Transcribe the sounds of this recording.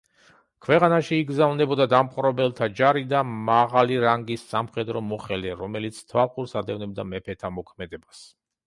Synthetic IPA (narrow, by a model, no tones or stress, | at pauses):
kʰvɛqʼanaʃiːɡzavnɛbɔd̪ad̪amχʼɾɔbɛlˠt̪ʰad͡ʒaɾid̪amaʁaliɾaŋɡisːamχɛd̪ɾɔmɔχɛlɛɾɔmɛlit̪sʰt̪ʰvalˠqʼuɾsad̪ɛvnɛbd̪amɛpʰɛt̪ʰamɔkʰmɛd̪ɛbas